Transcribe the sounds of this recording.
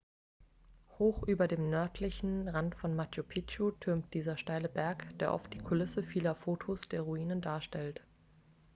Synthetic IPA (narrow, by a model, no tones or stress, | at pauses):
hoːxʔyːbɐdeːmnœɐtʰlɪçn̩ʁantfɔnmat͡ʃjopʰit͡ʃotʰʏɐmt̚d̥iːzɐʃtaɪləbɛɐkd̥eːɐʔɔ̰ft̚d̥iːkʰolɪsəfiːlɐfoːtʰosd̥eːɐʁuiːnəndaːɐʃtɛlt